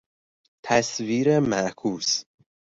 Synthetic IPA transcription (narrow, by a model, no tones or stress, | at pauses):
t̪ʰæsviːɾemæʔkʰuːs